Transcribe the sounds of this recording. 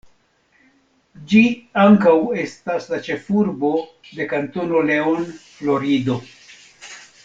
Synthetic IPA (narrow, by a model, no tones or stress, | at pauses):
d͡ʒiaŋkawe̞staslat͡ʃe̞fuɾbo̞ | de̞kanto̞no̞le̞onflo̞ɾido̞